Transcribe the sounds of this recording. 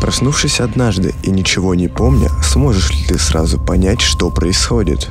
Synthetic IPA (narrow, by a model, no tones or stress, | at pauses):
pɾɐsnufʂɨsʲɐd̪naʐd̪ɨ̰inʲɪt͡ɕɪvo̞nʲɪpo̞mnʲə̰smo̞ʐɨʂlʲɪt̪ɨsɾa̰zʊpɐnʲætʲʂt̪o̞pɾəɪsxo̞dʲɪ̰t̪